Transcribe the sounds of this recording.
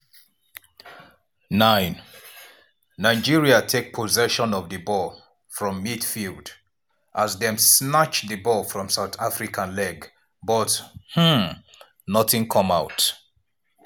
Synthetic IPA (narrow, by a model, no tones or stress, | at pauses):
nãɪ̃n | aɪd͡ʒiɹiatʰek̚pʰɔzɛʃɔ̃nɔvðəbɔ | fɹɔ̃mːidfilˠd | ʔazðɛ̃msnat͡ʃðɨbɔfɹɔ̃msaʊθafɹikʰãnlɛɡ | bɔth̩ | nɔθɪ̃ŋkʰʌ̃maʊt